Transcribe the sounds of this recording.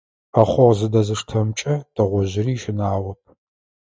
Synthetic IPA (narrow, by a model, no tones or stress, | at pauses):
ɐχʷɔʁzɨdɐzɨʂtʰɐmt͡ʃʼɐd̥ɐʁʷɔʑɪriːʃɪnaːʁʷɔp̚ʰ